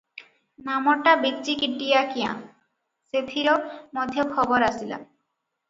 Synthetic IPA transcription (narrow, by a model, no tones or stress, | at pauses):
namoʈːabitːʃikiʈːijakijã̰ | set̪ʰiɾomod̪ʱjokʰɔboɾasila̰